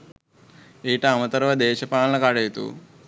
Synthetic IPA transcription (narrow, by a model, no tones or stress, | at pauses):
iːʈɐɐmɐt̪ɐɾʋɐd̪eːʃɐpaːɭɐɳɐkaːɖɐjt̪ṵ